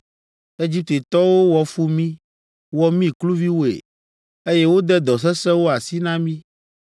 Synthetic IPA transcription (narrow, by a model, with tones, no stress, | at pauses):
e˦d͡ʑi˦p̚t̪e˨t̪ɔ˦wo˦wɔ˨fu˦mĩ˦ | wɔ˦mĩ˦klu˦vi˦wo˦ḛ˨ | e˦je˦wo˦d̪ɛ˦d̪ɔ˨s̬ɛ˦sɛ˦wo˦a˨si˦nã˦mĩ˦